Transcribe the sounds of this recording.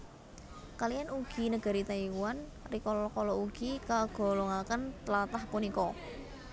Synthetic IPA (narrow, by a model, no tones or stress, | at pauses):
kalijanuɡ̥i̤nəɡ̥əɾit̪aiwan | rikɔlɔkɔlɔuɡ̥ikaɡ̥o̤lɔŋakənt̪lat̪ahpunikɔ